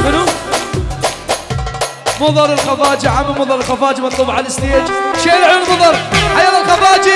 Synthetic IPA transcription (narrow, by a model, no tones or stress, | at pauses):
mɪnu | mʊðˤɑɾˤɪlxɑfaːd͡ʒiʕamalmʊðˤɑɾˤɪlxɑfaːd͡ʒimɑt̪ˤluːbʕalɪst̪eːad͡ʒʃeːlʕuːnmʊðˤɑɾˤħajaːlalxɑfaːd͡ʒi